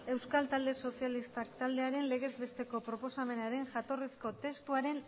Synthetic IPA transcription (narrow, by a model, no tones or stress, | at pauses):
e̞wskalt̪ald̪e̞so̞sialist̪akt̪ald̪e̞aɾe̞nle̞ɣe̞zβe̞st̪e̞ko̞pɾo̞po̞same̞naɾe̞ŋʝat̪o̞risko̞t̪e̞st̪uaɾe̞n